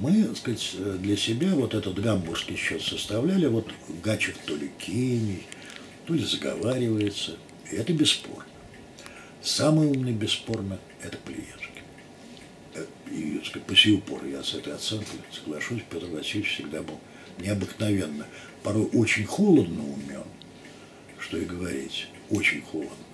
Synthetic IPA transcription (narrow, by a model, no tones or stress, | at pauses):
mɨskatʲd̪lʲɐsʲɪbʲavo̞t̪ɛt̪ət̪ɡambʊrskʲɪjɕːo̞t̪səst̪ɐvlʲælʲɪvo̞t̪ɡat͡ɕɪft̪o̞lʲɪkʲʰinʲɪj | t̪o̞lʲɪzəɡɐ̰vaɾʲɪvəjɪt̪sə | iɛt̪əbʲɪsːpo̞̰rnə | saməjumnəjbʲɪsːpo̞rnə | ɛt̪ə̥plʲɪ̰jḛʂkʲɪ̥ | ḭskat̚ʲpəsʲejʊpo̞̰rɨjasɛt̪əjɐt̪sɛnklʲʊsəɡlˠɐʂusʲpʲo̞t̪rvɐsʲilʲɪt͡ɕfsʲɪɡd̪abɨlˠ | nʲɪɐbɨknɐvʲe̞nːə | pɐɾo̞jʔo̞t͡ɕɪnʲxo̞lˠəd̪nəʊmʲo̰n | ʂt̪o̞ɪɡəvɐɾʲḭtʲ | o̞t͡ɕɪnʲxo̞lˠəd̪nə